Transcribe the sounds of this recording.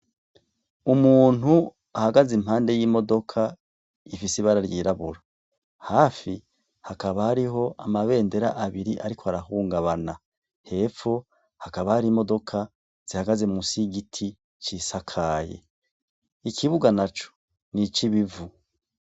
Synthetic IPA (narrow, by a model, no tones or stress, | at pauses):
umuːn̥hu | ahaɡazim̥haːnde̞jiːmo̞do̞kʰa | ifisiβaɾaɾjiɾaβuɾa | haːfi | hakaβahaɾiɦo̞ʔamaβe̞ːnde̞ɾaʔaβiɾiʔaɾikʰoaɾahuːŋɡaβana̰ | he̞ːfo | hakaβahaɾimo̞do̞kʰa | z̥ihaɡazemusiɡitʰi | t͡ʃiːsakʰaːjḛ | ikʰiβuɡanat͡ʃo̥ | nit͡ʃiβivu